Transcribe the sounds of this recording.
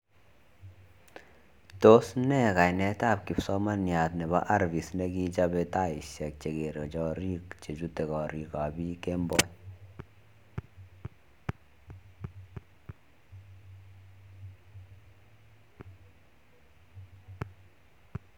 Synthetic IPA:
to˦snɛ˦˨ka˨jnɛ˦ta˦˨p̚ki˨psɔ˦ma˦nja˨tnɛ˨ba̰˦ʔa˦ɾvi˨sne˦ki˦t͡ʃa˦be˧ta˦˨i˨ʃɛ˨k̚t͡ʃe˨ke˨ɾt͡ʃɔ˦ɾi˦kt͡ʃe˨t͡ʃu˦te˨kɔ˨ɾi˨ka˨bi˦ke˦mbɔ˦ɲ

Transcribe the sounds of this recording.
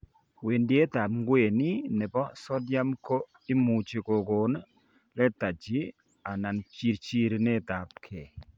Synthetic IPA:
we˨ndje˦ta˨pŋɡwe˨ni˦nɛ˨bɔ˦sɔ˦dja˦mko˦ | i˦mu˨t͡ʃi˨ko˨ko˨n | lɛ˦ta˨t͡ʃi˨˦ | a˨na˨nt͡ʃi˨ɾt͡ʃi˦ɾnɛ˦ta˨p̚kʰɛ˨

